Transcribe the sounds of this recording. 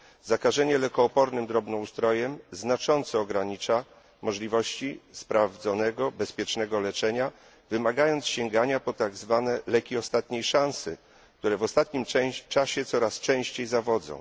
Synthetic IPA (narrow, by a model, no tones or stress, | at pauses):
zakaʐɛɲɛlɛkɔːpɔɾnɘmd̪ɾɔbnɔust̪ɾɔjɛmznat͡ʂɔnt̪sɔːɡɾaɲit͡ʂa | mɔʐlʲivɔɕt͡ɕispɾavd̪zɔnɛɡɔbɛspʲjɛt͡ʂnɛɡɔlɛt͡ʂɛɲa | vɘmaɡajɔntsɕɛŋɡaɲapɔt̪aɡzvanɛlɛkʲiɔst̪at̪ɲejʂãñsɘ | kt̪uɾɛvɔst̪at̪ɲimɛt͡ʂaɕɛt̪sɔɾast͡ʂɛ̃w̃ɕt͡ɕejzavɔd̪zɔ̰̃w̃